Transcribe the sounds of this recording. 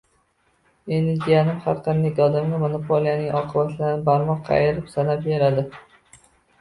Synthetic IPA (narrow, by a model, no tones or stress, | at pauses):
enɪɡ̪ʲijanɪmhaɾqʰɑnd̪akʲɒd̪amɡʲamonopʰolijanɪŋʔɒqʰɨbat̪ʰlaɾnɪbaɾmɒqʰːɑ̰jɪɾɪpsanap̚beɾad̪ɪ